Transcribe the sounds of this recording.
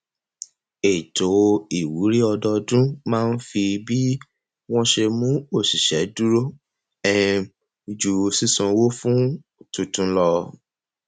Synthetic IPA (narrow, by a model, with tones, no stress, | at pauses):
e˨to˨˦i˨wu˨˦ɾi˦ɔ˧dɔ˧dũ˦mãː˦˧n̩˦fi˧bi˦ | w̃ɔ̃˦ʃe˧mũ˦o˦˨si˨ʃɛ˨˦du˦ɾo˦ | ɛ˦˧˨ | d͡ʒu˨˧˨si˦˨sɔ̃˧wo˦fũ˦ | tũ˧tũ˧˦lɔ˧